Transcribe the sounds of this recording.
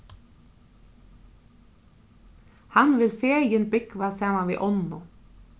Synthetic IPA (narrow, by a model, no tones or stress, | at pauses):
hɑnʋɪlfeːjənbɪkʋɑsæːmɑʋḭːʔɔnʊ